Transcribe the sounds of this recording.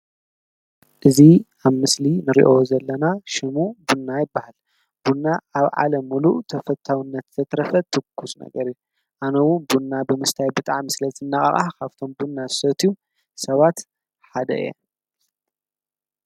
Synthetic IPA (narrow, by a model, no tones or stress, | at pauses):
ʔɨziʔaβmɨslinɨɾḭʔo̞zɐlːɐnaʃɨmubunːajɪbːahal | b̥unːaaβʕa̰lɐmːuluʔt̪ʰɐfɐt̪ʰːawinːɐt̪t̪ʰɐt̪ɾɐfɐt̪ʰɨkʰːusnɐ̰ɡɐɾiju | ʔanɐwunbunːabɨmɨst̪ʰajbɨt̪ʼaʕmːɨslɐzɨnːaχʼɐ̰χʼaħkʰaft̪ʰo̞mbunːazsɐt̪ʰiju | sɐβat̪ | ħad̪ɐ̰ɨ̰jɛ̰